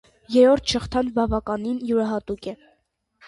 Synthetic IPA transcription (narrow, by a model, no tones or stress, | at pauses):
jɛɾɔɾt̪ʰʃəχt̪ʰɑnbɑvɑkɑninjuɾɑɦɑt̪ukɛ